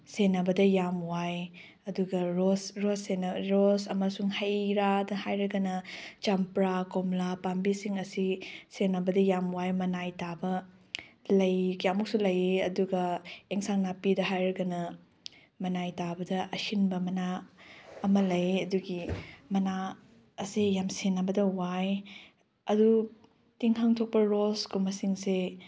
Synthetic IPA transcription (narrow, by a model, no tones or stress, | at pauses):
senɐbɐdɐjamwaj | ɐduɡɐɾosɾosenɾosɐmɐsuŋhɐjɾadɐhajɾɐɡɐnɐt͡ʃampɾakomlapambisiŋɐsisenɐbɐdɐjamwajmɐnajtabɐ | lɐjkjamuk̚sulɐjiɐduɡɐeŋsaŋnapidɐɦajɾɐɡɐnɐ | mɐnajtabɐdɐʔɐhinbɐmɐna | ɐmɐlɐjɐduɡimɐna | ɐsijamsenːɐbɐdɐwaj | ɐdu | tiŋɦaŋtʰok̚pɐɾoskumɐsiŋse